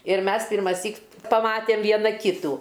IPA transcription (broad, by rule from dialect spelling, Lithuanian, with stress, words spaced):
ɪr ˈmʲɛs pʲɪrmɐˈsʲiːk pɐˈmɑːtʲɛm ˈʋʲiɛnɐ ˈkʲiːtuː